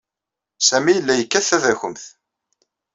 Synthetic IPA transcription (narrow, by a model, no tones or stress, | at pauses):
sæmijəlːæjəkːæθæðæçəmθ